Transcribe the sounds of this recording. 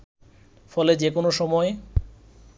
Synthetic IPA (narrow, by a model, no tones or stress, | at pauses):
fɔled͡ʑekonoʃɔmɔe